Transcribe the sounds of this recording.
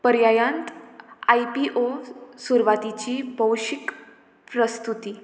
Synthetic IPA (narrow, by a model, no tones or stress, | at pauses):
pəɾjajãnt̪ajpiʔosuɾʋat̪it͡ɕiːbəwɕik | pɾəst̪ut̪iː